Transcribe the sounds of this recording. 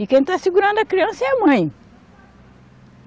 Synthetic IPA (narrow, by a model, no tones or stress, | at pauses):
ikẽj̃t̪asiɡuɾɐ̃nd̪uɐkɾiɐ̃sɐɛɐmɐ̃j̃